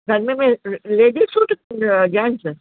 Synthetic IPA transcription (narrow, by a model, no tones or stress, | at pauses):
ɡʱɐɾmẽmẽleːd̪isuːʈd͡ʒaːnsə